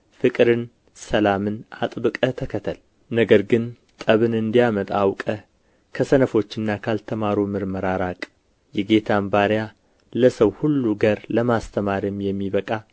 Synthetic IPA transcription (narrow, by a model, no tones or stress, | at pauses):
fɨkʼɾɨn | səlamɨna̰t̪ʼbɨkʼət̪ʰəkʰət̪ʰəl | nəɡəɾɡɨn | t̪ʼəβɨnɨnd̪ijamət̪ʼawkʼə | kʰəsənəfo̞t͡ʃːɨnːakʰalt̪ʰəmaɾumɨɾməɾaɾakʼ | jɛɡe̞t̪ʰambaɾja | ləsəwhulːuɡəɾləmast̪ʰəmaɾimjɛmːiβəkʼa